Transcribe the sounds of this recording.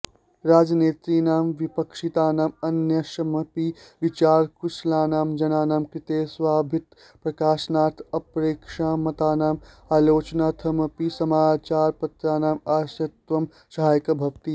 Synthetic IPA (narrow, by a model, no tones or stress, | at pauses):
ɾaːd͡ʒɐneːt̪ɾiːnaːmʋipɐkʂit̪aːnaːmɐnjɐʃɐmɐpiʋit͡ʃaːɾkuʃlaːnaːmd͡ʒɐnaːnaːmkɾit̪eːsʋaːbʱit̪ | pɾɐkaːʃnaːɾt̪ʰɐpɾeːkʂaːmɐt̪aːnaːm | aːloːt͡ʃɐnaːt̪ʰɐmɐpisɐmaːt͡ʃaːɾpɐt̪ɾaːnaːmaːʃɐt̪ʋɐm | ʃɐɦaːjɐkɐbʱɐʋt̪i